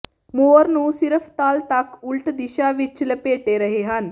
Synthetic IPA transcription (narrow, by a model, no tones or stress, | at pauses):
moɾnuːsiɾəft̪aːlt̪akulʈd̪iʃaʋit͡ʃːləpeːʈeɾəɦeɦan